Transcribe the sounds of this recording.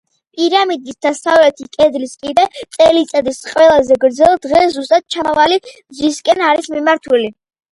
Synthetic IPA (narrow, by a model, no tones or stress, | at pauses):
pʼiɾamid̪isd̪asavlɛt̪ʰikʼɛd̪liskʼid̪ɛt̪sʼɛlit̪sʼad̪isqʼwɛlˠazɛɡɾd̪zɛlˠd̪ʁɛszust̪ʼad̪̚t͡ʃʰavali | zwiskʼɛnaɾismimaɾt̪ʰuli